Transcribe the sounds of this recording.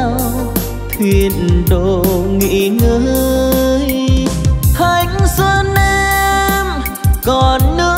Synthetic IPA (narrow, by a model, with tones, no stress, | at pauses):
w | t̪ʰwi˨˩ənnɗo˧˨ŋḭ˧˥ŋəː˧˦˧j | h̪ʰa˧˩jŋzə˧nʔɛ˧m | kɔ˨˩nːɨ˧˥